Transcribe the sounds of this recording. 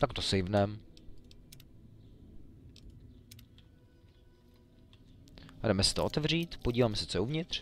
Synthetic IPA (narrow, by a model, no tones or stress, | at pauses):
t̪akt̪osejvnɛm | ɦɾɛmɛsɛ̥t̪oʔot̪ɛvr̝iːt̪poɟiːvaːmɛsɛ̥t͡sojɛuvɲɪt̪r̝̥